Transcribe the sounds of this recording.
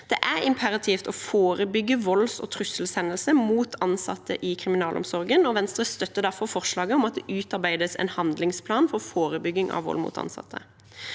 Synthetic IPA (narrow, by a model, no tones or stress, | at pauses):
d̪̥ɛʔæɾɪmpʰəɾɑt̪ʰift̪ɔːfoːɾəbʏɡːəʋɔlsɔ̰ːt̪ʰɾʉsəl̩sɛnːəlsəmuːt̪ʰɑnsɑ̰t̪ʰːə̰ʔɪkʰʁɪmɪnɑːlʔɔ̰msɔɾɡənɔʋɛnst̪ʁəst̪œt̪ːəd̪æɾfɔɾfɔʁʂlɑːɡəɔmɑt̪̚d̪ɛʔʉːt̪ɑɾbæɪd̪əsɛ̰nhɑnd̪lɪŋspʰlɑːnfɔʁfoːɾəbʏɡːɪŋʔɑ̰ʋʋɔ̰lmṵt̪ɑ̰nsɑ̰t̪ʰːə